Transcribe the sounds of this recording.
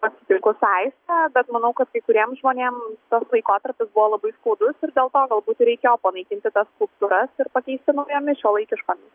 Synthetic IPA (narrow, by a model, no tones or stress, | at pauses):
pɐtʲsʲɪt̪ʲɪŋkʊsɐɪsʲtæːbʲɛt̪mɐnɐʊkɐt̪kɐɪkʊɾʲiɛmʒmoːnʲeːmt̪oːslˠɐɪkoːt̪ɐrʲpʲɪsbʊʋɔːlˠɐbɐɪskuːd̪ʊsɪɾd̪ʲeːlˠt̪oːɡɐlˠbuːt̪ɾʲɛɪkʲeːjoːpɐnɐɪkʲɪnʲt̪ʲɪt̪ɐsskʊlˠp̚t̪uɾɐsɪɾpɐkʲɛɪsʲt̪ʲɪnɐʊjɛmʲɪʃʲoːlˠɐɪkʲɪʃkoːmʲɪs